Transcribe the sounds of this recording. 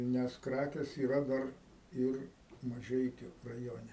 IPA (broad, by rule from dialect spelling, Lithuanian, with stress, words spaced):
ˈnʲɛs ˈkrɑːkʲeːs iːˈrɐ ˈdɐr ˈɪr mɐˈʒʲɛɪkʲʊ rɐˈjoːnʲɛ